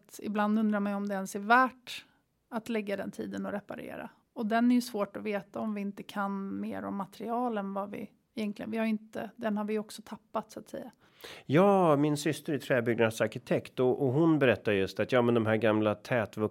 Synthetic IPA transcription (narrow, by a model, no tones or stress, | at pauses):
t̪ɪ̰bland̪ɵnd̪ɾaɾmɛjɔmd̪ɛɛnsæɾvæːʈ | at̪lɛɡːad̪ɛ̰nt̪ʰḭːd̪ənɔɾɛpa̰ɾḛːɾa̰ | ɔd̪ɛnæɾjɵsvoːʈɔveːt̪aɔmvɪɪnt̪əkʰanmḛːɾɔ̰mːat̪ɛɾɪɑːlɛnvavɪ̰ | ɪjɛŋk̪ʰlɪɡə̰nvɪhaɾɪnt̪əd̪ɛnhaɾvɪjɔksɔt̪ʰapːat̪sʊat̪sɛ̰jːa | jɑːmɪnsʏst̪əɾɪt̪ʰɾɛːbʏɡnad̪saɾɕɪt̪ʰɛkt̪ɔʔɔɦʊnbɛɾɛt̪ːaɾjɵst̪at̪jɑːmɛnd̪ɔmɦæːɾɡamlat̪ʰɛːt̪vɵ